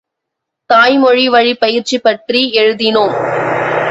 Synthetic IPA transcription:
t̪aːjmɔɻiʋɐɻipɐjɪɾt͡ʃipɐʈriɛɻɯðɪnɯm

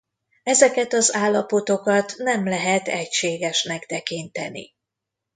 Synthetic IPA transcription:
ɛzɛkɛt̪ɒzaːlːɒpo̞t̪o̞kɒt̪nɛmlɛɦɛt̪ɛcʃeːɡɛʃnɛkt̪ɛkint̪ɛnḭ

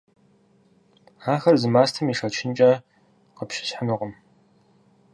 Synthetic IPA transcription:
aːxɐrzɨmaːstʰɐmiːʂɐt͡ʃʰɪnt͡ʃʼɐ | qəpɕɪ̥ɕħənɨʁəm

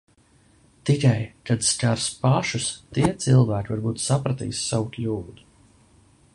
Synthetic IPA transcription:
t̪ikajkad̪skaɾspaʃust̪iɛt̪silˠvæːkʲivaɾbuːt̪sapɾat̪ḭːsːawuklʲuːd̪u̥

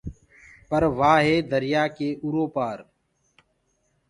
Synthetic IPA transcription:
pəɾʋaːɦeːd̪əɾɪjaːkeːʔuɾoːpaːɾ

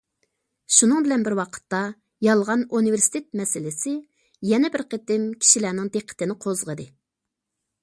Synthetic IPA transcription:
ʃunɨŋbɪlɛnbɪɾwɑqʰə̥t̪ːɑ | jɑlˠʁɑnuniveɾsi̥t̪ʰet̪̚mɛsɪlɪsɪ | jɛnɛbɪɾqʰet̪ɪmkʲʰi̥ʃilænɪŋd̪eqʰːə̥t̪ɪnɪqʰozʁəd̪ɨ

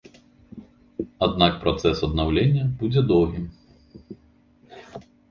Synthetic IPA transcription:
ad̪nakpɾɔt̪sɛsɐd̪̚nawlʲenʲːɐbud͡zʲɛd̪ɔwɣʲim

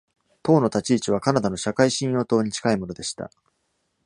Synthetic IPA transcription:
t̪o̞ːno̞t̪at͡ɕiːt͡ɕiβ̞akanad̪ano̞ɕakaiɕĩɰ̃jo̞ːt̪o̞ːɲ̟it͡ɕi̥kaimo̞no̞d̪e̞ɕi̥t̪a̰

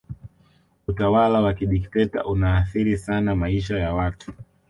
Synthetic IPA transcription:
utawalawakiɗiktɛta̰ʔunaːθiɾisanamaiʃajawatu̥

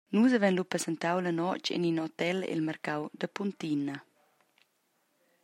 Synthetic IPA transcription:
nusavɛnlupɾəsɛnt̪awlənɔt͡ʃɛ̰ninɔt̪ɛlɛ̰lmərkawd̪əpunt̪inə

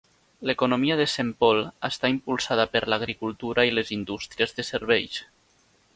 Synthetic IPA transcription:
lekunomiəðesempɔlˠəst̪aimpulˠsað̞əpəɾlaɣɾikulˠt̪uɾailezind̪ust̪ɾiəzðəseɾβ̞ɛʎs

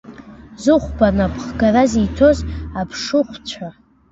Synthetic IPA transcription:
zɨχʷbanapʰχɡarazijtʰo̞zapʰʂɨχʷt͡ɕʷʰa

